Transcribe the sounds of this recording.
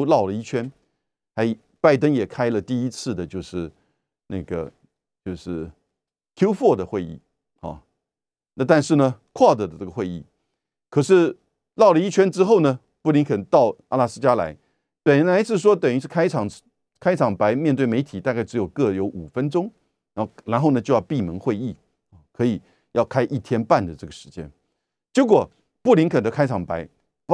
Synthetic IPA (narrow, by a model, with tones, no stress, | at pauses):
ʊlɑ˥˩ʊlə˩i˥t͡ɕʰɥɛ˥n | xa˧˥ɪi˨˩ | pa˥˩ɪt̪̬ə˥ŋjɛ˨˩kʰa˥ɪlə˨t̪i˥˧i˥t͡sʰɹ̩˥˩d̪ə˩t͡ɕjo˥˧ʊʂɻ̩˥˩ | na˥˩ɡə̰˩ | t͡ɕjo˥˧ʊʂɻ̩˥˩ | t̪ʰjo˥ʊfwɔ˥˩d̪ə˩xwe˥˧ɪḭ˥˩ | ɑ̰˨˩ | na˥˧t̪a˥˧nʂɻ̩˥˩nə˩kʰwa˥˩t̪ɤ˨˩də˦ʈ͡ʂɤ˥˩ɡə˩xwe˥˧ɪḭ˥˩ | kʰɤ˨˩ʂɻ̩˥˧ | lɑ˥˩ʊlə˩i˥t͡ɕʰɥɛ˥nʈ͡ʂɻ̩˥xo˥˩ʊnə˩ | pu˥˩li˧˥ŋkʰə˨˩nt̪ɑ˥˩ʊa˥˧la˥˩sɹ̩˥˧t͡ɕja˥la̰˧˥ɪ | pə˨˩nnla˧˥ɪʂɻ̩˥˩ʂ̬wɔ˥t̪ə˨˩ŋy˧˥ʂɻ̩˥˩kʰa˥ɪʈ͡ʂʰɑ˨˩ŋ | kʰa˥ɪʈ͡ʂʰɑ˨˩ŋpa˧˥ɪmjɛ˥˧nt̪we˥˩ɪme˧˥ɪt̪ʰi˨˩t̪a˥˧ka˥˩ɪʈ͡ʂɻjo˨˩ʊkɤ˥˩jo˧˥ʊʔu˨˩fə˥nʈ͡ʂʊ˥ŋ | ɻa˧˥la˧˥nxo˥˩ʊnə˩t͡ɕjo˥˧ʊjɑ˥˧pi˥˩mə˧˥ŋxwe˥˧ɪi˥˩ | ɑ˨˩kʰɤ˧˥i˨˩ | jɑ˥˩ʊkʰa˥ɪʔi˥˩t̪ʰjɛ˥npa˥˩nd̪ə˩ʈ͡ʂɤ˥˩ɡə˩ʂɻ̩˧˥t͡ɕjɛ̰˥n | t͡ɕe˧˥k̬wɔ˨˩ | pu˥˩li˧˥ŋkʰə˨˩nd̪ə˦kʰa˥ɪʈ͡ʂʰɑ˨˩ŋpa˧˥ɪ